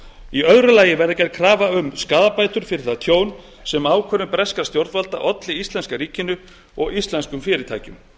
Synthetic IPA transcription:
iœðɾʏlaːjɪvɛɾðɪcɛɾkʰɾaːvaʏmskaːðapaːjt̪ʏɾ̥fɪɾɪθat̪ʰjoːwn | sɛmaːwkʰœːɾʏmpɾɛskast̪jowɾt̪valt̪a̰ʔɔt̪lɪist̪ɛnskaɾiːcɪnʏ | ɔɣist̪lɛnskʏmfɪːɾɪt̪ʰa̰ːjcʏm

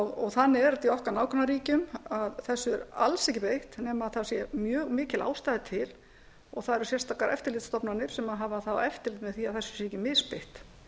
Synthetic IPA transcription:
ɔɣɔɣθanːɪɾat̪iɔhkaɾnaːwkʰɔnaɾiːcʏmaðθɛsːʏɾa̰lsɛhcɪpejht̪nɛːmaðθḁsjɛmjœːɣmɪːcɪlʔa̰ːwst̪ajðɪt̪ʰɪl | ɔɣθaðɛɾʏsjɛrst̪akaɾʔɛ̰ft̪ɪɾlɪt̪st̪ɔpnanɪɾ̥sɛmaɦavaθawɛft̪ɪɾlɪt̪mɛðθiaðθɛsːʏ̥sjɛɛcɪmɪspejht̪

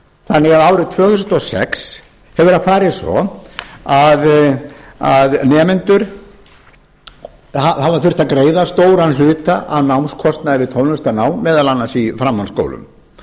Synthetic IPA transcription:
θanːɪɣaðaːwɾɪt̪ʰvœːɣθusnt̪ɔsɛ̰ks | hɛvʏɾafaːɾɪðsvɔ̰ | að | aðnɛːmɛnt̪ʏɾ̥ | hahavafʏr̥t̪akɾeːjðast̪oːwɾanl̥ʏːt̪aʔawnawnskʰɔst̪naðɪvɪt̪ʰowlnʏst̪anaːwmɛːðalanːasifɾamːansko̰wlʏ̰m

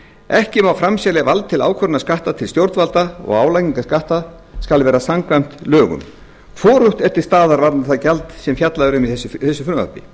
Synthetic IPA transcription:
ɛhcɪmawfɾamsalɛvalt̪t̪ʰːɪla̰ːwkʰvœɾnaskaht̪at̪ʰɪlst̪jowɾt̪valt̪aɔ̰ɣaːwlajciŋkaskaht̪a | skalvɛːɾasaŋkvajm̥t̪lœːɣʏ̰m | fɔːɾʏht̪ɛt̪ːɪɾ̥st̪aːðaɾvaɾnaθaðcalt̪sɛmfjat̪laðʏɾʏmiɛsθɛsːʏfʏnva̰pɪ̰

